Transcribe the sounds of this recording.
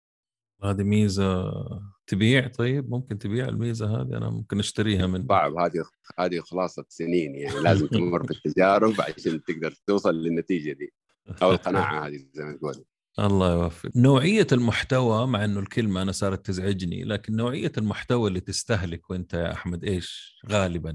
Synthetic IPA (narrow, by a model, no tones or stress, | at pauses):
haːd̪imiːza | t̪ɪbiːʕt̪ˤɑjːɪbmʊmkɪnt̪ɪbiːʕa̰lmiːzaɦa̰ːd̪iʔa̰na̰mʊ̰mkɪnʔaʃt̪aɾiːhamɪnsˤɑʕbhaːd̪i | haːd̪ixɑlɑːsˤɑsɪniːnjaʕnilaːzɪmt̪mamːʊɾfit̪ːad͡ʒaːɾʊbʕa̰ʃaːnt̪ɪɡ̚d̪ɑɾˤt̪uːsˤɑlːɪnːat̪iːd͡ʒad̪iː | ʔawɪlqɑna̰ːʕa̰haːd̪izajmanɡuːla | ʔɑ̰lˤːɑːjwafːɪ̰dnoːʕɪjːalmʊħt̪awamaʕʔɪnːʊlkɪlmaʔanasˤɑːɾˤɑt̪ːɪzʕɪd͡ʒnḭlaːkɪnːoːʕɪjːalmʊħt̪awalːiːt̪ɪst̪aɦlɪkwʔɪnt̪aja̰ʔa̰ħmad̪ʔeːʃɣaːlɪban